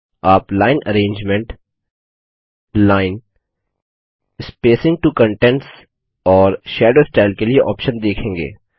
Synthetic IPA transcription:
aːplaːɪnɐ̰ɾẽːɲd͡ʒmẽɳʈ | laːɪn | ɪspeːsɪ̃ŋɡ̚ʈukə̃ɳʈɛ̃ɳʈs | ɔːɾʃeːɖoːsʈaːɪlkelieʔɔ̰ːpʃənd̪eːkʰẽːŋɡḛː

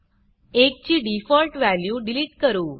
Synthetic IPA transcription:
ek̚t͡ɕiːɖifɔlʈʋæljuːɖiliʈkəɾuː

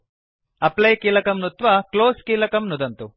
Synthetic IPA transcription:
ɐplɐjkiːlɐkɐmnut̪ʋɐkloːskiːlɐkɐmnud̪ɐnt̪u

